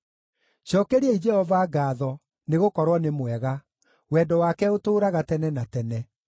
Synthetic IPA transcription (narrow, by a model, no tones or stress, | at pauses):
ʃɔkeɾiɛid͡ʒɛhɔvaɡaːðɔ | neɣokɔɾwɔnemwɛɣa | wɛːdɔwakɛotoːɾaɣatɛnɛnatɛnɛ